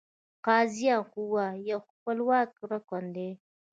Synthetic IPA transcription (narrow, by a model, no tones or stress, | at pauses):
qaːzijakʷuwajaxukʷalwaːkɾakʷand̪e